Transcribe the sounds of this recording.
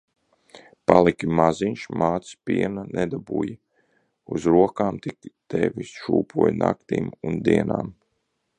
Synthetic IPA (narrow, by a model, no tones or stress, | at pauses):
palˠikʲimaziɲʃmaːt̪spʲiɛnanɛd̪abuːji | uzɾuɔkaːmt̪ikʲt̪evʲisʃuːpʰuɔjna̰kt̪ḭːmund̪iɛna̰ːm